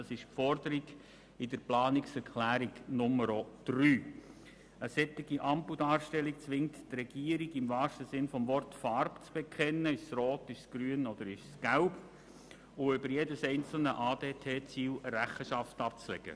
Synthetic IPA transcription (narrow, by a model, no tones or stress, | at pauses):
ɑsɪʃpfɔrdəɾiɡ̥ | ɪdəɾplɑːnɪksɛɾkʰlæːɾiɡnʊməɾod̪̥ryː | əsɛt̪ːɪɡiʔɑmpudɑːɾʃtɛlik̚t͡sʋɪŋttrɛɡ̥iːəɾiɡɪmvɑːʃtəzɪnfɔmvɔrtfɑrpt͡sb̥ekʰχɛnːəɪʃsrɔːt̪ɪʃsɡ̥ɾyːənɔd̥̪əɾɪʃsɡ̥æʊb | ʊʏbəɾjedəsɛɪnt͡sl̩nəʔɑːdeːtʰeːt͡siːləɾæχəʃɑftɑp̚t͡slɛ̰ɡ̥ə̰